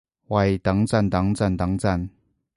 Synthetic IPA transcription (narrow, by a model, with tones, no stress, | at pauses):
wa˨˧˩jt̪a˨˥ŋt͡sa˥˧˨nt̪a˨˥ŋt͡sa˥˨nt̪a˨˥˦ŋt͡sa˥˧˨n